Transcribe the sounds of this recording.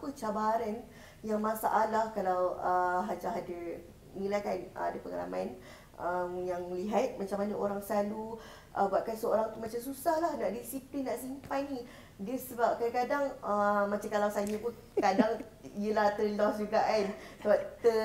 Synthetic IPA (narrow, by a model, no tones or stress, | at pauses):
pət͡ʃabaɾan | jaŋmãsa̰ʔalahkalawəɦad͡ʒaɦadə | ŋĩlakanəadəpəŋa̰la̰man | əmjaŋliɦat̪̚mat͡ʃamanaʔoɾaŋslalu | ʔəbuaʔ̚kansəoɾaŋt̪umat͡ʃamsusahlahnaʔdisiplinːaʔsimpajni | diəsəbap̚kadakadaŋəmat͡ʃamkalawsaməpu | kadaŋ | ijəlaht̪ərlɔsd͡ʒuɡaʔansəbap̚t̪ə